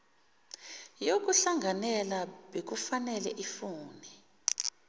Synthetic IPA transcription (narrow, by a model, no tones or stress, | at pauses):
jok̬uɬaŋɡʱanɛlaɓek̬ufanɛlɛʔifuːnɛ